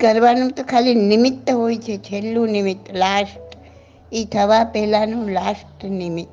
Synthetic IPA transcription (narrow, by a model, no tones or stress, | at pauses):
kəɾʋanũt̪okʰaːlinimit̪ːəɦoit͡ʃʰet͡ʃʰelːũnimit̪ːlaːʃʈ | it̪ʰəʋapɛɦlanũlaːsʈnimit̪ː